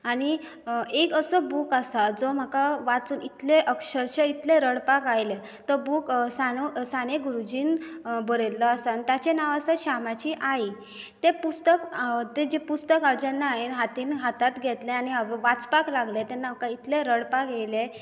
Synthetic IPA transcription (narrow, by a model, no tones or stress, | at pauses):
aɽ̃i | ekəsəbukasad͡zɔm̤əkaʋat͡suːnit̪leʔəkɕəɾɕəit̪leɾəɽpakajle | t̪əbuksañusañeɡuɾud͡ʑiːn | bəɾelːəasant̪jat͡ɕenaʋasaɕamat͡ɕiːʔaɦi | t̪epust̪əkt̪ed͡ʑepust̪əkawd͡ʑanːaɦenɦat̪iːnɦat̪at̪ɡʱɛt̪leañiaʋʋat͡spaklaɡlet̪enawkait̪ʰleɾəɽpaɡʱɛjle